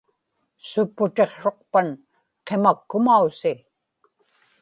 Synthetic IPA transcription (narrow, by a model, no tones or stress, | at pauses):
sʊpːʊt̪e̞χʂo̞q̚pan | qe̞makːʊmausi